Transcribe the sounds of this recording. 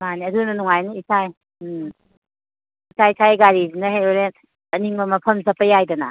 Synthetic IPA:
maniɐdunɐnuŋajniisʰaj | isʰaisʰajɡaɾizinɐɦeoɾe | ɐniŋbɐmɐpʰɐmzɐpɐjajdɐna

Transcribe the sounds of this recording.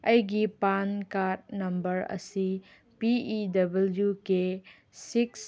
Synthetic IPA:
ɐjɡipankat̚nɐmbɐɾɐ̰si | piːdɐbɐljuke | siks

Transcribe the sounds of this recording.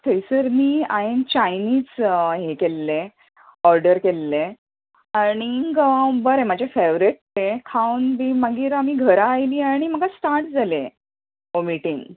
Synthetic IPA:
t̪ʰəjsəɾniaint͡ɕajniːd͡zɦekelːẽ | ɔɾɖəɾkelːẽ | aɽ̃iɡbəɾẽmad͡ʑʱafeʋɾiʈ̚t̪ekʰawnbimaɡiːɾamiːɡʱəɾaːjliːaɽ̃im̤əɡasʈaɾʈd͡zʱalẽ | ɦomiʈiŋɡ

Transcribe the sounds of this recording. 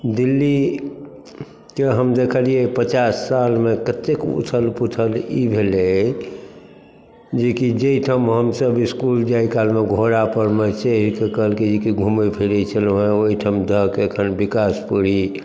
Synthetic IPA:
d̪ilːi | keɦəmd̪ekʰəlijepət͡ʃasːalmekət̪ekṵt̪ʰəlput̪ʰəlibʱele | d͡ʒekid͡ʒeiʈʰəmɦəmsəbiskuld͡ʒaikalmeɡʱoɾapəɾmet͡ʃeɦɾkekəɦəlked͡ʒekiɡʱumepʰiɾɛt͡ʃʰəlɦẽoɦiʈʰəmd̪ʱəɦkeəkʰənbikaspəɽi

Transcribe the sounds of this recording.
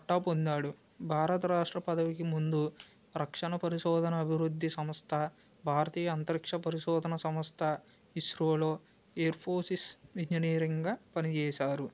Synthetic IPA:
ɐʈːaːpond̪aːɽu | bʱaːɾɐt̪ɐɾaːʂʈɾɐpɐd̪ɐʋikimund̪u | ɾɐkʂɐnɐpɐɾiʃɔːd̪ʱɐnɐːbʱiɾud̪ʱːisɐmɐst̪ʰɐ | bʱaːɾɐt̪iːjɐːnt̪ɐɾikʂɐpɐɾiʃɔːd̪ʱɐnɐsɐmɐst̪ʰɐ | iʃɾoːloː | eːɐɾpʰoːɾsisʋiɲd͡ʒɐniːɾɐŋɡaːpɐnit͡ʃɛːsaːɾu

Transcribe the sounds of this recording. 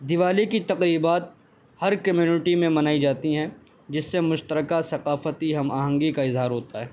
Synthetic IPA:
d̪ɪʋaːlikit̪ɐqɾiːbaːt̪̚ | hɐɾkɐmjuːnɪʈimẽmɐnaːid͡ʒaːt̪iɦɛ̃ | d͡ʒɪsːemʊʃt̪əɾəkasɐqaːfət̪iɦɐma̰ːɦə̃ŋɡikaɪzɦaːɾɦoːt̪aɦɛː

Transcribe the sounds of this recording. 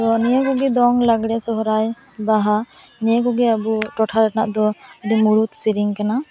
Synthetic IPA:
dɔnijakɔɡɛd̪ɔŋlaɡɽɛsɔɦɔɾaj | baɦanijakɔɡɛabuʈɔʈʰaɾanaʔd̪ɔdimuɾut̪̚siɾiŋkana

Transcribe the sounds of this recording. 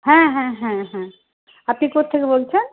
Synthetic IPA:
ɦãɦɛ̃ɦãɦɛ̃ | əpnikot̪ʰekebolt͡ʃʰən

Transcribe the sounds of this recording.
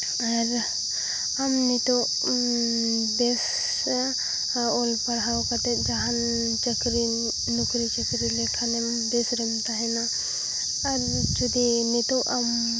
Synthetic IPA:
aɾ | amnit̪o | bes | olpaɾɦawkat̪ed͡ʒaɦan | t͡ʃəkɾi | nukɾit͡ʃəkɾilekʰanem | d̪esɾənt̪aɦɛnaː | ɾ | d͡ʒud̪init̪oʔam

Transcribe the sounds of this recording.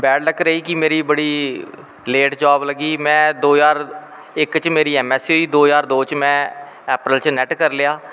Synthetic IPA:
bɛːʈʰləkɾəiːkɪmeːɾiːbəɽiː | leːʈd͡ʒaːbləɡiːmɛ̃ːd̪oːjaːɾ | ɪkt͡ʃmeːɾiːɛːmɛːsɦoːiːd̪oːjaːɾd̪oːt͡ʃmɛ̃ː | ɛːpɾəlt͡ʃnɛʈkəɾleaː

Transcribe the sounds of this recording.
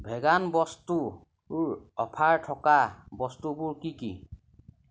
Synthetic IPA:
bʱɛɡanbɔstu | ʊɹɔpʰaɹtʰɔkabɔstubʊɹkikḭ

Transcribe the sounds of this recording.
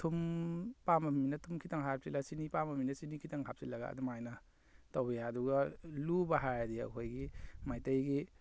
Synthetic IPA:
tʰumpamɐminɐtʰumkʰitaŋɦap̚silasinipamɐminɐsinikʰitaŋɦap̚silɐɡa̰ɐ̰dumajnɐ | tawbɐjaɐduɡɐlubɐɦajdiɐ̰kʰojɡimajtɐjɡi

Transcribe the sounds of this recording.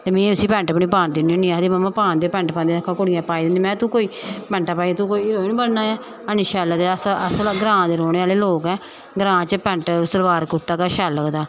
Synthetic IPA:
t̪eːmĩːʊsiːpɛ̃ɳʈəpɳiːpaːnd̪inionĩːaːd̪eːməmːãːpaːnd̪eːoːpɛ̃ːɳʈpãːnd̪eːkʰːãːkʊɽɪjãːpaːiːd̪ɪ̃nd̪iːmɛ̃ːt̪ũːkoːiːpɛ̃ɳʈaːpaːiaːt̪uːkoːiːɾoːinĩːbəɽnaːjaː | əniʃaːləd̪esəslɡɾãːd̪eːɾoːñeːaːleːloːkɛ̃ː | ɡɾãːt͡ʃəpɛ̃ɳʈsəɾbaːɾkʊt̪ːaːkaːʃaːləkd̪aː

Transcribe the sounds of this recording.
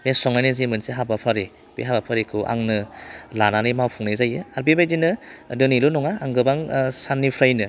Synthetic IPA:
mesɔŋnajnɯzimɯnseɦabapʰaɾe | b̥ḛɦabapʰaɾekʰuʔa̰ŋnɯlananimawpʰuŋnezajɯaɾbibajdinɯdɯnilunɔŋaːŋɡɯbaŋsanːipʰɾajnɯ

